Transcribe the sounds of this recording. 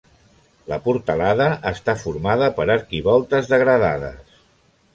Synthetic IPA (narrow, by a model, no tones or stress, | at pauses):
ləpuɾt̪əlaðəʔəst̪afuɾmaðəpəɾəɾkiβɔlˠt̪əzðəɣɾəða̰ðə̰s